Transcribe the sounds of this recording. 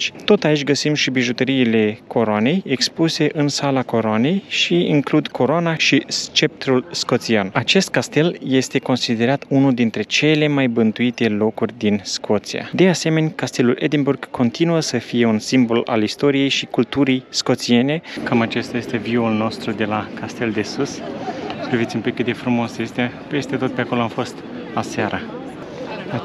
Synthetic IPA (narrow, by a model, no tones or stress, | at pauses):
t͡ʃt̪o̞t̪ait͡ʃʲɡəsimʃibiʒut̪əɾiːle̞kʰo̞ɾoane̞jekspuse̞ʔɨnsalako̞ɾoane̞jʃiiŋklud̪kʰo̞ɾoanaʃist͡ʃe̞p̚t̪ɾulsko̞t̪sianat͡ʃe̞st̪̚kast̪e̞lje̞st̪e̞ko̞nsid̪e̞ɾat̪unuld̪int̪ɾe̞t͡ʃe̞le̞majbɨnt̪uit̪e̞lo̞kurʲd̪inskʰo̞t̪sija̰d̪e̞ase̞me̞nʲkast̪e̞lulʔed̪inburɡkʰːo̞nt̪inuəsəfije̞unsimbo̞la̰list̪o̞ɾije̞jʃikult̪uɾijsko̞t̪sie̞ne̞kamat͡ʃe̞st̪aje̞st̪e̞viulno̞st̪ɾud̪e̞lakast̪e̞ld̪e̞sus | pɾivit̪ʲumpikːɨt̪d̪e̞fɾumo̞sjest̪ee | pe̞st̪e̞t̪o̞t̪̚pe̞ako̞loamfo̞st̪ | asaɾʔə